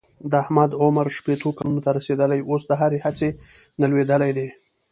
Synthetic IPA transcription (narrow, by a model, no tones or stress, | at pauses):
d̪əahmad̪ʕʊmaɾʃpet̪okalunot̪aɾased̪əlajosd̪əɦaɾehat͡senalwed̪əlajd̪e